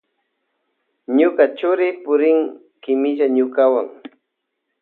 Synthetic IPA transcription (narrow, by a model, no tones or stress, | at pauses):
ɲʊkat͡ʃʊɾɪpʊɾɪŋ | kɪmɪʒaɲʊkawa̰ŋ